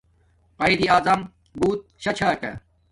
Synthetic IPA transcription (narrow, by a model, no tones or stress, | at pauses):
qɐid̪iaːzɐm | buːt̪̚ɕɐt͡ɕʰaːkɐ̰